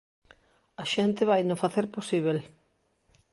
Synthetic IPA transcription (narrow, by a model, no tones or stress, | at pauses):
ɐʃent̪ɪβajnʊfaθeɾposiβ̞el